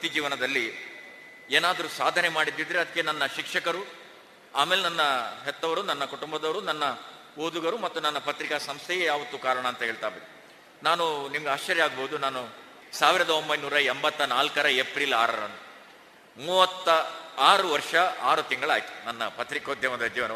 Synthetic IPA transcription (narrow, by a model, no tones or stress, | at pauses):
pɐt̪id͡ʒiːʋɐnɐd̪ɐlːi | eːnaːd̪ɐɾusaːd̪ʱɐnemaːɽid̪ːid̪ɾeɐd̪ɐkːenɐnːɐʃikʂɐkɐɾu | aːmeːlenɐnːɐɦɛt̪ːɐʋɐɾunɐnːɐkuʈumbɐd̪ɐʋɐɾunɐnːɐ | oːd̪uɡɐɾumɐt̪ːunɐnːɐpɐt̪ɾikɐsɐmst̪ʰɛjejaːʋɐt̪ːukaːɾɐɳɐːnt̪ɐɦeːɭt̪aːbeːd̪e | naːnunimɐɡeaːʃt͡ʃːɐɾjɐaːɡboːud̪unaːnu | saːʋiɾɐd̪ɐombɐjnuːɾɐembɐt̪ːɐnaːlkɐɾɐepɾila̰ːɾɐ̰ɾɐ̰nd̪u | muːʋɐt̪ːɐaːɾuʋɐɾʂɐa̰ːɾut̪iŋɡɐɭaːjit̪u̥nɐnːɐpɐt̪ɾikoːd̪ʱjɐmɐd̪ɐd͡ʒiːʋɐnɐ